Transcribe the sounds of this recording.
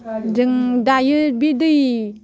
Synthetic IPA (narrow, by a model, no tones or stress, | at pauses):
dɯŋdajɯbidɯj